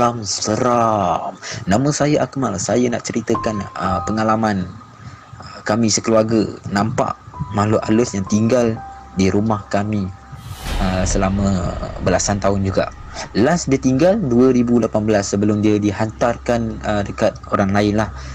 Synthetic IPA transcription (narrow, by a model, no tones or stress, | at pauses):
amsəɾamnãmə̃sajaʔakəmalasajanaʔt͡ʃəɾit̪əkanəpəŋalaman | əkamĩsəkəluarɡənãmpa̰ʔmalʊʔa̰lʊsjaŋt̪iŋɡal | diɾumahkamĩ | əsəlamə̃bəlasant̪aɦʊnd͡ʒuɡa̰ʔ | lasdiat̪iŋɡalduəɾibulapanbəlasːəbəlʊmdiadiɦant̪arkanədəkat̪̚oɾaŋlaɪnlah